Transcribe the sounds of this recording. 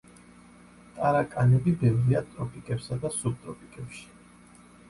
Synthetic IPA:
t̪ʼaɾakʼanɛbibɛvɾiat̪ʼɾɔpʼikʼɛpsad̪asub̚t̪ʼɾɔpʼikʼɛpʃi̥

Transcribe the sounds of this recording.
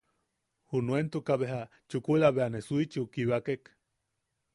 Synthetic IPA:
hunuent̪ukaβeɦa | t͡ʃukulaβeanesuit͡ʃukiβakek

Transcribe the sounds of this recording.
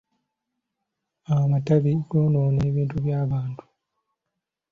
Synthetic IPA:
awamataβiɡoːnoːneːβiːntuβjaːβaːntʰu̥

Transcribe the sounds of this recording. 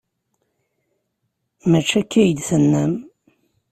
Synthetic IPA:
mæt͡ʃːækːæjd̪θənːæm

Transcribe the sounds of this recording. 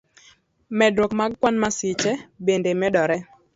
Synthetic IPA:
mɛdɾokmaɡkwanmasɪt͡ʃɛbendemɛdɔɾɛ

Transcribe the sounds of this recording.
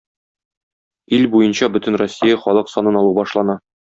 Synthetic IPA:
ilbujɤnɕɑbɵ̆t̪ɘ̆nrosʲːijɑχɒlˠɤqsɒnɤnɒlˠubɒʃlˠɑnɑ

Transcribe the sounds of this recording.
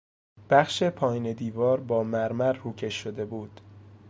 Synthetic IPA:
b̥æχʃe̞pʰɒːjined̪iːvɒːɾbɒːmæɾmæɾhuːcʰe̞ʃːod̪e̞buːd̪̥

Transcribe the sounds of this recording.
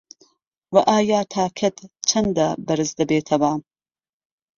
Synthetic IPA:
wɐʔaːjaːt̪ʰaːkʰɐt̪t͡ʃʰɐnd̪abɐɾɨzd̪ɐbeːt̪ʰɐwa

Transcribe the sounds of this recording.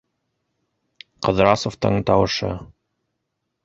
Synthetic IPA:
qɤ̆ðɾɑsoft̪ɤ̰ɴt̪ɑwɤ̆ʃɤ̰

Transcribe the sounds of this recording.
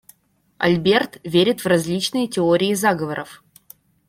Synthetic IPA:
ɐ̰lʲbʲert̪vʲeɾʲɪt̪vrɐzʲlʲit͡ɕnɨjətʲɪoɾʲɪːzaɡəvəɾʔəf

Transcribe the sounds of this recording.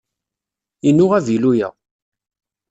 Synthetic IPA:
inːʊʁævilujæ̰

